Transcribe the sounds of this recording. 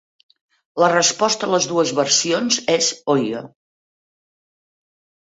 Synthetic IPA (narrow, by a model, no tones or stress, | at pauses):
lərəspɔst̪əːləzðuəzβəɾsionzezojə